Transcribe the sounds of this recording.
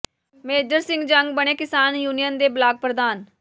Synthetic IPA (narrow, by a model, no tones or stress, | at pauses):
meːd͡ʒəɾsɪ̃ŋɡd͡ʒəŋɡbəɽ̃eːkɪsaːnjuːnijənd̪eːblaːɡ̚pɾəd̪aːn